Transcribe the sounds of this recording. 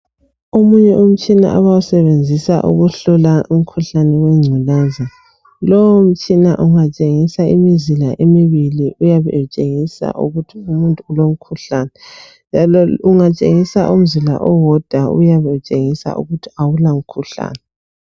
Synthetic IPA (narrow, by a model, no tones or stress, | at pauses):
omuɲɛʔum̩t͡ʃʼina̰ʔaβawusɛβend͡zʱisa̰ʔṵɣuɬɔlaʔum̩kʰuɬanɛwɛŋ͡ǀʱulɛːza | lɔwm̩t͡ʃʼina̰ʔuŋat͡ʃʼeŋisaimizilaʔemiβiliʔujaβɛ̰t͡ʃʼeŋisa̰ʔṵɣutʰiumuntʼuulom̩kʰuɬanɛ | nd͡ʒʱalɔuŋat͡ʃʼeŋisaʔum̩zila̰ʔɔwɔd̥ʱaṵjaβɛut͡ʃʼeŋisa̰ʔṵɣutʰi̥awulaum̩kʰuɬa̰ːnɛ